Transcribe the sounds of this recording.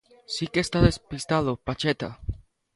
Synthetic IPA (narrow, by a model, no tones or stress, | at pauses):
sikest̪aðespist̪aðopat͡ʃet̪a̰